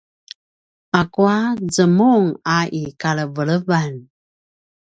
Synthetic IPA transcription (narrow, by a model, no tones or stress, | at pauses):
akuazəmuŋaʔikaɭəvəɭəvan